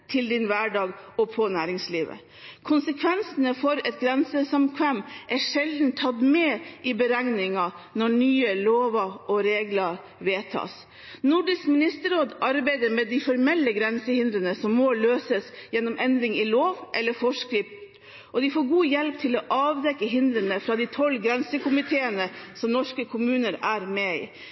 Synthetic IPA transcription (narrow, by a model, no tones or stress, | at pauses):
t̪ʰɪld̪ɪnʋæːɖɑːɡɔpʰɔnæːɾɪŋsliːʋə̰ | kʰʊnsəkʰʋɛnsənəfɔɾɛt̪̚ɡɾɛnsəsɑmkʰʋæmʔæʂɛld̪n̩t̪ʰːɑt̪mɛʔɪbəɾæŋnɪŋɑnɔɳyːəloːʋɑɔɾeːɡlɑɾ | ʋeːt̪ʰɑ̰ːs | nʊɖɪskmɪnɪst̪əɾoːd̪ɑɾbæɪd̪əɾmɛd̪ifɔɾmɛlːəɡɾɛnsəhɪnd̪ɾənəsɔmːoːløːsəsjɛnːɔmʔɛnd̪ɾɪŋɪloːʋʔɛlːəfɔʂkɾɪft̪ | ʔɔd̪ɪfoːɾɡuːjɛlp̚t̪ʰɪlɔːʔɑːʋd̪ɛkːəɦɪnd̪ɾənəfɾɑd̪ɪt̪ʰɔlːɡɾɛnsəkʊmɪt̪ʰeːənəsɔmnɔʂkəkʰʊmʉːnəɾæːɾmeɪ̰ː